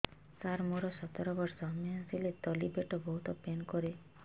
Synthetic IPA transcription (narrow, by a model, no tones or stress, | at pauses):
saɾmoɾɔsɔt̪ɔɾɔbɔɾsɔɦmeasilet̪ɔlibeʈɔbɔɦut̪ɔpenkɔɾe